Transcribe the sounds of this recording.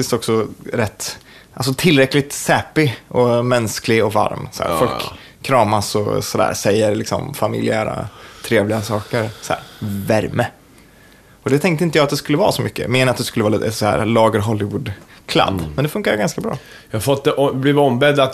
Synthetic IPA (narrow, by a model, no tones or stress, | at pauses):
t̪ɪst̪ɔksɔɾɛt̪ː | ʔals̬ɔt̪ʰɪlɾɛklɪt̪sɛːpɪʔɔmɛnsklɪɔva̰ɾmsɔæ̰ːfɔlkkʰː | ɾɑːmasɔ̰sɔd̪æ̰ːɾsɛjːəɾlɪksɔ̰mfamɪ̰lɪæːɾa̰t̪ʰɾeːvlɪɡasɑːkəɾsɔæ̰ːɾvæɾmə | ɔd̪ɛt̪ʰɛŋk̚t̪əɪnt̪əjɑːat̪d̪ɛskɵlːəvɑ̰ːsɔmʏkːə̰meːnəat̪d̪ɛskɵlːəɑːliːt̪əsɔhæ̰ːɾlɑːɡəɾɦɔlːɪvuːd̪ | kʰla̰d̪ːmɛnd̪ɛfɵŋkad̪əɡanskabɾɑ̰ː | jɑhafɔt̪̚d̪ɛʔɔblɪvɔmbɛd̪at̪